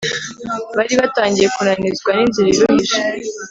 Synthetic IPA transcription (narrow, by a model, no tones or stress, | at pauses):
βaɾiβataːɲɟije̞kunanizɡwaninziɾiɾuhiʃa